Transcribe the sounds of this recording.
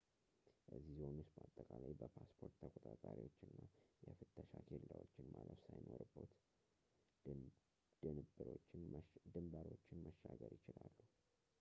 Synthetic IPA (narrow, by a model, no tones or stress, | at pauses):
ʔəzːizhonwʊst̪̚bəat̪ʼːəkʼalajbəpʰaspʰo̞ɾt̪t̪ʰəkʼot̪ʼat̪ʼaɾiwot͡ʃːɨnːajɛfɨt̪ʰːəʃakʰelːawot͡ʃːɪnmaləfsajnoɾɨbːət̪ | d̪ɨnɨbːɨɾot͡ʃːɪnd̪ɨmbaɾo̞t͡ʃːɪnməʃːaɡəɾjɪt͡ʃɪlalːuh